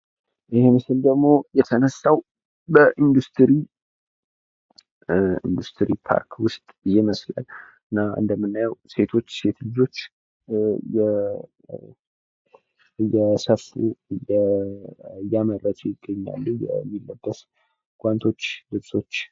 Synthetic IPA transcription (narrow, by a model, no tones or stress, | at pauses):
ʔɨhemɨsɨld̪əɡmo̞jɛt̪ʰənəsːaw | bəʔind̪ust̪ʰɨɾi | ḭnd̪ust̪ʰɨɾipʰa̰ɾkʰwʊst̪ʼɨjɛməsla̰l | ɨnːaɨ̰nd̪əmːɨnːajəwse̞t̪ʰo̞t͡ʃːse̞t̪ʰlɨd͡ʒo̞t͡ʃː | jɛ | jɛsəfṵjɛ | jːamərət̪ʰujɪɡːəɲːa̰lːujɛ̰mːilːəbːəs | ɡ̥ʷant̪ʰo̞t͡ʃːlɨβso̞t͡ʃː